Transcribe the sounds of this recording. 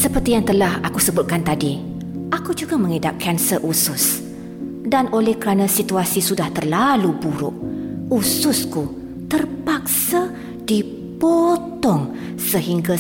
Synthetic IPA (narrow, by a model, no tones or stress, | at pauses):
səpərt̪ijaŋt̪əlahakusəbʊt̪̚kant̪adi | ʔakud͡ʒuɡamə̃ŋedap̚kʰɛnsərʔusʊs | danʔolɛhkəɾanãsit̪uasisudaht̪ərlalubuɾʊ̰ʔusʊsku | t̪ərpak̚sa | di | pot̪ɔŋ | səɦiŋɡa